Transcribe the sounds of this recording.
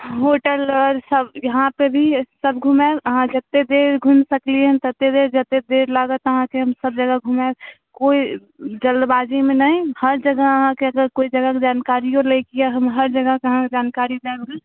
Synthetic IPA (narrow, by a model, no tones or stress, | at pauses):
ɦoʈəlɔɾsəbjəɦãpebʱisəbɡʱumɛəɦãd͡ʒət̪ːed̪eɾɡʱunsəkliɦənt̪ət̪ːed̪eɾd͡ʒət̪ːed̪eɾlaɡət̪əɦãkeɦəmsəb̚d͡ʒəɡəɡʱume | koːi | d͡ʒəld̪baːd͡ʒemenəihəɾd͡ʒəɡəəɦãkeəɡəɾkoːid͡ʒəɡəked͡ʒaːnkaɾijoleikijaɦəmɦəɾd͡ʒəɡəkeəɦãd͡ʒaːnkaɾid̪elɡə